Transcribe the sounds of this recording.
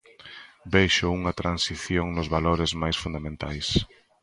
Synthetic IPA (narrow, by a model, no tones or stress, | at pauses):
bejʃʊuŋɐt̪ɾansiθjoŋnʊzβaloɾɪzmajsfund̪amẽnt̪ajs